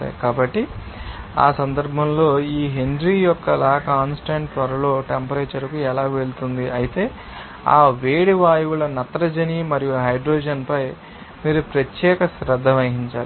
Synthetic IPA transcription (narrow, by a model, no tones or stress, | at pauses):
ɐ̰kaːbɐʈːi | a̰ːsɐnd̪ɐɾbʱɐmlo̞ːiːɦeɳɖɾiːjɔkːɐlaːkaːnsʈaːɳʈtʋɐɾɐlo̞ːʈempɐɾejt͡ʃɐɾɐkuɛlaːʋe̞ɭut̪und̪iʔɐjit̪e̞ː | a̰ːʋeːɽiʋaːjuʋulɐnɐt̪ɾɐd͡ʒɐniːmɐɾijuɦɐjɖɾoːd͡ʒɐnpɐj | miːɾupɾɐt̪jɛːkɐsɾɐd̪ʱːɐmɐɦiɲt͡ʃaːɽi